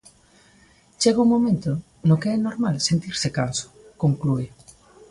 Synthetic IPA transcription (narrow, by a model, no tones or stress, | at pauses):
t͡ʃeɣauŋmomẽnt̪o | nokeɛnoɾmalsent̪iɾsɪkansʊ̥koŋkluɪ